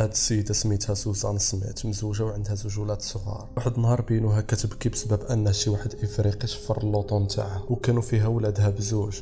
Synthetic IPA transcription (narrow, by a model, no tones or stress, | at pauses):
hæd̪səjːəd̪æsəmit̪hæzuzɑ̰nsmḭt̪məzuʒawʕənd̪hæzʊʒulæt̪sˤəɣɑ̰ɾˤwaħəd̪ənhɑɾˤbinuɦækæt̪əbkibsbæbʔənːhæʃiwaħəd̪ʔəfɾiqit̪fəɾˤəlːot̪ˤunt̪ʰa̰ʕawkænufiɦæwlæd̪hæbzuʒ